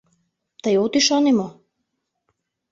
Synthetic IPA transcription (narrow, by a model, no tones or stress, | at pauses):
t̪ajot̪iʃanimɔ